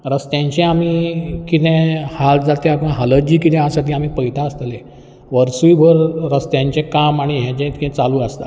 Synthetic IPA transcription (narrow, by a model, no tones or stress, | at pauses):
ɾəst̪jãɲt͡ɕẽamikit̪ɛ̃hald͡zat̪japuɳɦaləd͡ʑiːkit̪ɛ̃ɦãsaʈiːam̤iːpəjt̪ʰaəst̪lẽ | ʋəɾsuibʱəɾɾəst̪jãɲt͡ɕẽkamaɽ̃iɦɛ̃t͡ɕɛ̃t̪kit̪ɛ̃t͡saluːəst̪a̰